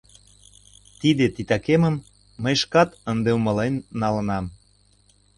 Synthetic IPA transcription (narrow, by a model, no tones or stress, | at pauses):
t̪id̪et̪it̪ɑkemə̆mː | əjʃkɑt̪ənd̪eumɤ̆lenːɑlə̆nɑm